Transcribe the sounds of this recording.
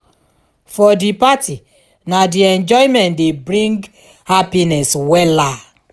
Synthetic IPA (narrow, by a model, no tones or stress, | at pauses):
fɔdipati | nadiɛ̃nd͡ʒɔɪmɛ̃ntdebɾĩŋɡ | hapinɛswɛla